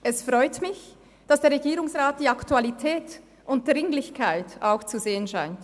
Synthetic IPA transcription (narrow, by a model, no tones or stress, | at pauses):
ʔɛsfʁɔʏtmɪç | d̥asd̥eːɐʁeɡiːɾʊŋsʁaːt̚d̥iːaktualitʰɛːt | ʔʊnt̚d̥ʁɪŋlɪçkʰaɪtaʊxt͡suzeːənʃaɪnt